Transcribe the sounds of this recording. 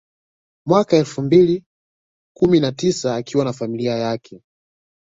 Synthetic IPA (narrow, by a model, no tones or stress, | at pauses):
mwakaɛlfumbili | kuminatisaːkʰiwanafamiliajakʰɛ